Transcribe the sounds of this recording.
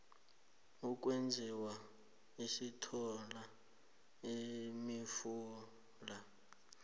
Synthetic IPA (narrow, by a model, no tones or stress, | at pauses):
uk̬ʼwend͡zʱiwa | isitʰɔla | imifuː | la